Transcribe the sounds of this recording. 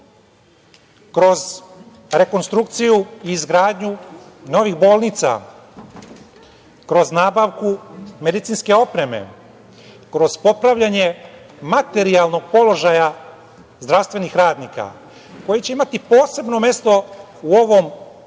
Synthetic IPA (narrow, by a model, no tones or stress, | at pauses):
kɾo̞z | ɾe̞ko̞nst̪ɾuk̚t̪sijuiːzɡɾaːd̪ɲu | no̞ʋixbo̞ːlˠnit̪sa̰ | kɾo̞znaːbaʋkume̞d̪it̪sinske̞o̞pɾe̞mḛ | kɾo̞zpo̞pɾaʋʎaɲe̞ | mat̪e̞ɾialˠno̞ɡ̚po̞lo̞ʒaja | zd̪ɾaʋst̪vʋe̞nixɾaːd̪nika̰ | ko̞jet͡ɕe̞imat̪ipo̞ːse̞bno̞me̞st̪o̞ | uo̞ʋo̞m